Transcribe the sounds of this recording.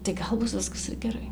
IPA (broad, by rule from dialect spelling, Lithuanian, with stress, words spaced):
tɐɪ ˈɡɐlˠ ˈbʊs ˈʋʲɪskɐs ɪr ɡʲɛˈrɐɪ